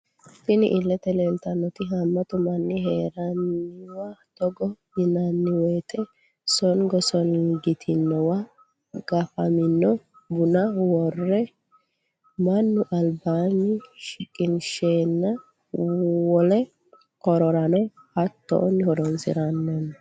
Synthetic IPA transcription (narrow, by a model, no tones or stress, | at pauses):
sɪnɪʔɪlːɛt̪ɛleːlt̪ɐnːɔt̪ɪɦɐmːɐt̪ʊmɐnːɪɦeːɾɐnːɪwad̪̥ɔɡɔ | ɪnɐnːɪwɔjt̪ʼɛ | sɔnɡɔsɔnɡɪt̪ʰɪnːɔwa | ɡ̥ɐfɐmɪnːɔ | bʊnɐwɔrːɛ | mɐnːʊʔɐlbaːnɪʃɪkʼːɪnʃeːnːɐ | wɔlɛ | kɔɾɔɾɐnɔ | hɐt̪ːɔ̰ʔɔnːɪhɔd̪ɔnsɪ̰ɾɐnːɔnː